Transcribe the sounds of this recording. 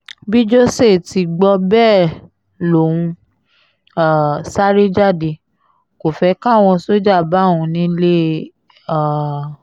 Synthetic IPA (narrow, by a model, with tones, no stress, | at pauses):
bi˦d͡ʒo˦se˦˨ti˧ɡ͡bɔ˧bɛː˦˨ | lo˨ũ˧ | a˦˨sa˦ɾe˦d͡ʒa˦˨de˧ | ko˨fɛ˨˦kã˦˨w̃ɔ̃˧so˦d͡ʒa˦˨ba˨˦˨wũ˧nĩ˦le˦ | a˦˨